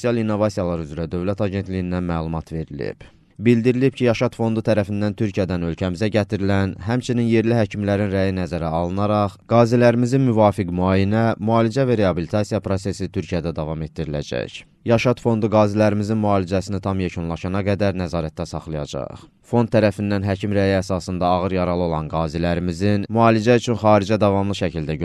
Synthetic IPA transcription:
sosijɑlˠinːo̞vɑsijɑlˠɑɾyzɾæd̪ø̞vlæt̪ʰɑɟe̞nt̪lijind̪ænmælˠumɑt̪ʰve̞ɾilḭb̥ | bild̪iɾilibcʰijɑʃɑt̪fo̞nd̪ut̪ʰæɾæfind̪ænt̪ʰyɾcʰijæd̪ænølcʰæmizæɟæt̪ʰiɾilænɦæmt͡ʃʰininje̞ɾliɦæcʰimlæɾinɾæjinæzæɾæɑlˠɯnɑɾɑχɡ̥ɑːzilæɾimizinmyvɑːfikmuɑːjinæmuɑːlid͡ʒævæɾe̞ɑbilit̪ʰɑsijɑpɾo̞se̞sit̪ʰyɾcʰijæd̪æd̪ɑvɑme̞t̪̚d̪iɾilæ̰d͡ʒæ̰ç | jɑʃɑt̪fo̞nd̪uɡɑːzilæɾimizinmuɑːlid͡ʒæsinit̪ʰɑmjecʰunlˠɑʃɑnɑɡæd̪æɾnæzɑːɾæt̪̚ːæsɑχlˠijɑ̰d͡ʒɑ̰χ | fo̞nt̪ʰːæɾæfinːænɦæcʰimɾæjiæsɑsɯnd̪ɑːɣɯɾjɑɾɑlˠɯo̞lˠɑnɡɑːzilæɾimizinmuɑːlid͡ʒæyt͡ʃʰynχɑːɾid͡ʒæd̪ɑvɑmlˠɯʃæcʰild̪æø

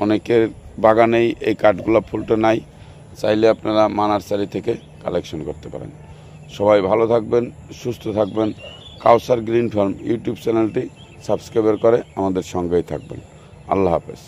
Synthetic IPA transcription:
ɔnekeɾbaɡanejejkaɾʈɡulopʰulʈanaj | t͡ɕajleapnaɾamanaɾt͡ɕaɾit̪ʰeke | kɔ̰lekʃonkoɾt̪epa̰ɾḛn | ʃɔbajbʱalot̪ʰak̚benʃust̪ʰot̪ʰak̚ben | kawsaɾɡɾinfʰoɾmjṵʈjubt͡ɕɛnelʈi | sabskɾajbeɾkɔɾeamad̪eɾʃɔŋɡejt̪ʰa̰k̚bḛn | a̰lːaɦa̰pḛs

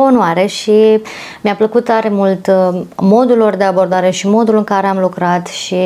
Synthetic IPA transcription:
onoaɾe̞ʃi | mjapləkut̪t̪aɾe̞mult̪mo̞d̪ulːo̞rd̪e̞abo̞rd̪aɾe̞ʃimo̞d̪ulɨŋkaɾe̞amlukɾat̪ʃi

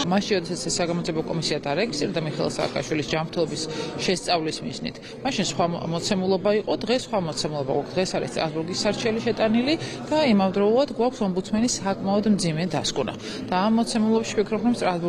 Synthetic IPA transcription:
maʃinɾɔd̪ɛsat̪sʰɛsːaɡamɔd̪ziɛbɔkʼɔmisiad̪aɾɛɡist̪ʼiɾɛd̪amiχɛɛ̰lˠsa̰ːkʼa̰ʃwilisd͡ʒamɾt̪ʰɛlˠɔbisʃɛst̪sʼavlismḭznḭt̪ʰ | maʃinsχwamɔt̪sʰɛmulˠɔbaiqʼɔd̪ʁɛsːχwamɔt̪sʰɛmulˠɔba̰ɡwa̰kʰd̪̥ʁɛsaɾist̪ʼɾa̰sbuɾɡisːaɾt͡ʃʰɛliʃɛt̪ʼanilid̪̥aimamd̪ɾɔulˠad̪ɡwakʷʰsɔmbut̪sʰmɛnisakʼmaɔd̪md̪zimɛd̪askʼuna̰ | d̪̥aːmːɔt̪sʰɛmulˠɔbaʃi̥pʰikʰɾɔbɾɔmst̪ʼɾasbu

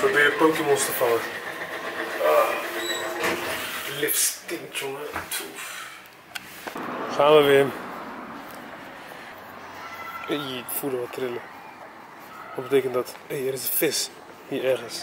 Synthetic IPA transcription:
probɪəpowtəmɔnstəfalə | a | lɪfstɪnt͡ʃontʰuf | xaːdəʋɪ | ifuləʋɔtʰrɪlə | ɔbəteːkəntdɔtejɛɾɪsəfɪs | hiɛrɣəns

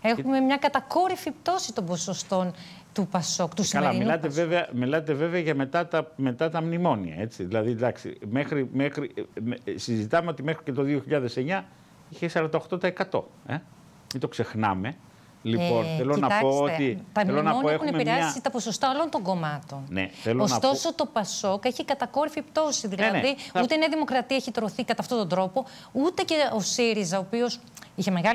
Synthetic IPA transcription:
e̞xume̞mɲɐkɐt̪ɐko̞ɾifipt̪o̞sit̪o̞mbosost̪o̞n | t̪upɐso̞kt̪ussɐlɐmilɐt̪eveveɐmilɐt̪e̞ve̞veɐʝɐme̞t̪ɐt̪ɐme̞t̪ɐt̪ɐmnimo̞niɐ̰e̞t͡siðilɐðid̪ɐksḭmexɾimexɾimsizit̪ɐmeot̪imexɾice̞t̪o̞ðio̞çiʎɐðe̞se̞ɲɐ | içesɐɾɐnd̪ɐoxt̪o̞t̪ɐekɐt̪o̞̰e̞ | it̪o̞kse̞xnɐ̰me̞ | lipo̞nθeloinɐɐɐkosoteit̪ɐmlonɐonieexunempiɾɾeɐsit̪ɐpo̞so̞st̪ɐolont̪o̞ŋɡo̞mɐt̪o̞nnḛθeloonɐt̪o̞so̞t̪o̞pɐso̞keçikɐt̪ɐko̞ɾifipt̪o̞siðilɐneðiut̪eneɐðimo̞kɾɐt̪iɐeçit̪ɾoθikɐt̪ɐft̪ot̪ond̪ɾo̞po̞ | ut̪e̞ce̞osiɾizɐoːpio̞s | içe̞me̞ɣɐ

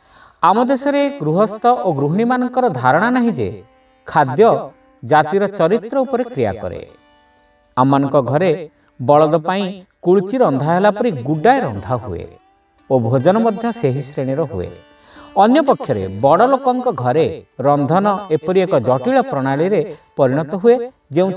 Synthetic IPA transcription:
amɔd̪esɔɾeɡɾuɦɔst̪ʰɔʔoɡɾuɦiɽ̃imanɔŋkɔɾɔd̪ʱaɾɔɽ̃anaɦĩd͡ʒḛ | kʰad̪jɔ | d͡ʒat̪iɾɔt͡ʃɔɾit̪ɾɔupɔɾekɾija̰kɔ̰ɾḛ | amanɔŋkɔɡʱɔɾe | bɔɭɔd̪ɔpaĩkuɭt͡ʃiɾɔnd̪ʱaɦelapɔɾiɡuɖaeɾɔnd̪ʱaɦṵḛ | obʱod͡ʒɔnɔmɔd̪ʱjɔseɦisɾeɽ̃iɾɔɦuḛ | ɔnjɔpɔkʰjɔɾḛbɔɽɔlokɔŋkɔɡʱɔɾeɾɔnd̪ʱɔnɔepɔɾiekɔd͡ʒɔʈiɭɔpɾɔɽ̃aɭiɾepɔɾiɽ̃ɔt̪ɔɦue | d͡ʒeũ

